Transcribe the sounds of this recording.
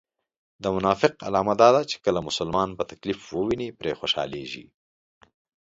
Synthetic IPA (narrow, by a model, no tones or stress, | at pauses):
d̪əmʊnɑfɪqa̰lɑmad̪ɑd̪at͡ʃe̥kəlamʊsʊlmɑnpət̪aklifwəwinipɾexoʃɑ̰leʒḭ